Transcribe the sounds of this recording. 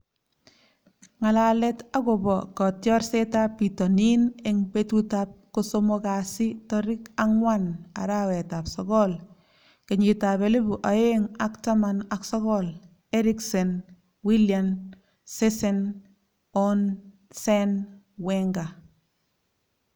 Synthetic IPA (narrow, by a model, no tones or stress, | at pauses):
ŋalalɛtakobɔkɔtjɔɾsetapːitɔnineŋbetutap̚kosomokasitɔɾɪkaŋwana̰ɾawɛtapsɔkɔl | keɲitabelebuʔaeŋaktamanaksɔkɔl | eɾiksɛn | wiljan | sesɛn | ɔn | sɛn | wɛŋɡa